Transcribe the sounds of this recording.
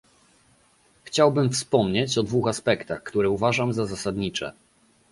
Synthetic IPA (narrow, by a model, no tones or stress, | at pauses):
xt͡ɕawbɘmfspɔmɲet͡ɕɔd̪vuxaspɛkt̪axkt̪uɾɛuvaʐamzazasad̪ɲit͡ʂɛ̰